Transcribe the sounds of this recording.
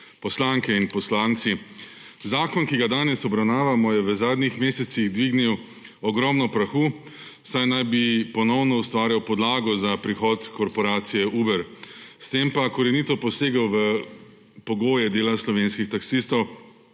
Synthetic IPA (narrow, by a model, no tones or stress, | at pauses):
pɔslaŋkɛinpɔslaːnt̪si | zaːkɔnkiɡad̪aːnɛsɔbɾawnaːʋamɔjɛʋəzaːd̪nixmeːsɛt̪siɣd̪ʋiɡniw | ɔɡɾɔmnɔpɾaxuː | sajnajbipɔnɔwnɔust̪ʋaːɾjawpɔd̪laːɡɔzapɾixɔːt̪kɔɾpɔɾaːt̪sijɛʔuːbɛɾst̪empakɔɾɛnit̪ɔpɔseːɡəwʋə | pɔɡoːjɛd̪eːlaslɔʋeːnskixt̪aksist̪ɔw